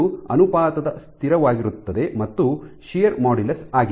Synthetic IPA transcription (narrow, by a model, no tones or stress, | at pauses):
uɐ̰nupaːt̪ɐd̪ɐst̪ʰiɾɐʋaːɡiɾut̪ːɐd̪e̞mɐt̪ːuʃejɐɾmaːɽilɐsaːɡi